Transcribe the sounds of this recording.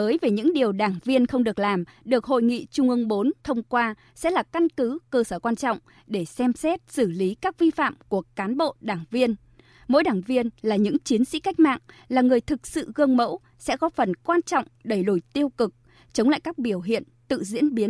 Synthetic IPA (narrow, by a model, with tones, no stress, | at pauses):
əː˨˦jve˨˩ɲɨ̰˧˥ŋɗi˨˩əwɗaː˧˩ŋvi˧ənxə˧wŋ͡mɗɨ˨˩ək̚laː˨˩mɗɨ˨˩ək̚ho̰˧˨jŋḭ˧˨t͡ɕʊ˧ŋ͡mʔɨ˧əŋɓo˨˦nt̪ʰə˧wŋ͡mkwaː˧ | sɛ̰˧˥laː˨˩ka˧nkɨ˨˦kəː˧səː˧˩kwaː˧nt͡ɕɔ̰˧˨wŋ͡m | ɗe˧˩sɛ˧msɛ˦˥t̚sɨ˧˩li˨˦kaː˦˥k̚vi˧fa̰ː˧˨mku˧˩əkaː˨˦nɓo̰˧˨ɗaː˧˩ŋvi˧ən | mo̰˧˥jɗaː˧˩ŋvi˧ənlaː˨˩ɲɨ̰˧˥ŋt͡ɕi˨˦ənsḭ˧˥ka˦˥jk̟̚ma̰ː˧˨ŋ | laː˨˩ŋɨ˨˩əjt̪ʰɨ˨˩k̚sɨ̰˧˨ɣɨ˧əŋmə̰˧˥w | sɛ̰˧˥kɔ˨˦fə˨˩nkwaː˧nt͡ɕɔ̰˧˨wŋ͡mɗə˧˩jlu˧˩jt̪i˧əwkɨ˨˩k̚ | t͡ɕə˨˦wŋ͡mla̰ː˧˨jkaː˦˥k̚ɓi˧˩əwɦḭ˧˨ənt̪ɨ̰˧˨zḭ˧˥ənɓi˨˦ən